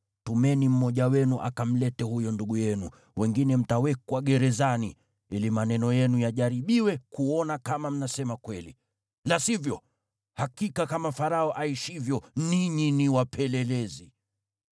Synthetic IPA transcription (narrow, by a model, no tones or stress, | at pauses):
tumɛnim̩mɔʄawɛnuʔa̰kam̩lɛtɛhujɔnduɠujɛnṵ | wʔɛŋɡinɛm̩tawɛkwaɠɛɾɛzanḭ | ilimanɛnɔjɛnujaʄaɾiɓiwɛkuɔnakamam̩nasɛmakwɛli | lasivjɔ | hakikakamafaɾaɔʔaiʃivjɔniɲiniwapʰɛlɛlɛzi